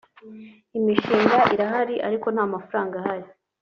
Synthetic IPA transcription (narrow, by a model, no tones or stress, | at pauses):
imiʃiːŋɡaʔiɾaɦaɾiʔa̰ɾiko̞n̥haːmafuɾaːŋɡahaɾi